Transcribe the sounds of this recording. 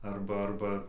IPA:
ˈɐrbɐ ˈɐrbɐ

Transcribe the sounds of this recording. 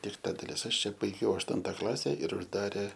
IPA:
ɪr ˈtɐ dɐˈlʲɪs ˈɐʃ ˈt͡ʃʲɛ bɐɪˈɡʲɛʊ ɐʃˈtʊntɐ ˈklˠɑːsʲɛ ɪr ʊʒˈdɑːrʲeː

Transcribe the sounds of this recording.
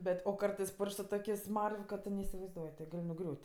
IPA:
ˈbʲɛtʲ oː ˈkɐrtɜs ˈpʊrʲʃʲkʲ sʊ ˈtoːkʲeːsʲ ˈsmɐrʲʋʲ kɐ ˈtʊ nʲɛɪsʲɪʋɐɪzˈduɔj tʲɪ ˈɡɐlʲ nʊˈɡrʲuːtʲ

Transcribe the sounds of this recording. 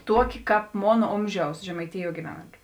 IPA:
ˈtuɔˌkʲɪ ˈkɑːp ˈmoːn ˈoːmʲʒʲɛʊs ʒʲɛmɐɪˈtʲɪjuɔ ɡʲɪˈʋʲæːnɐnʲtʲʊ

